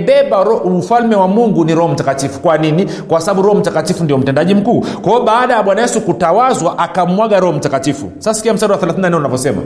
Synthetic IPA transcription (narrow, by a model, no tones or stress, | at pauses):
ɓɛɓaɾɔufalmɛwamuŋɡuniɾɔhɔm̩takatifu̥kwanini | kwasaɓaɓuɾɔhɔm̩takatifundijɔm̩tɛndaʄim̩kuːkwaɔɓaːɗajaɓwanajɛsukutawazwaʔakam̩waɠaɾɔhɔm̩takatifṵsasḁkiam̩saɗiwaθɛlaθinanɛunavjɔsɛma̰